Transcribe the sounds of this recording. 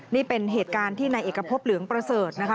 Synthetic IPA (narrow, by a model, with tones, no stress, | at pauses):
niː˥˩pe˧nɦeː˨˩t̪̚kaː˧nt̪ʰiː˥˩na˧jʔeː˨˩kːa˧pʰo˦˥p̚lɯ˩˦əŋpɾa˧sɤː˨˩t̪̚na˦˥kʰa˦